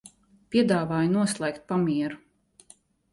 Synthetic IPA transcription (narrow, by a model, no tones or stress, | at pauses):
pʲiɛd̪aːvaːjunuɔslˠɛjk̚t̪̚pamʲiɛɾu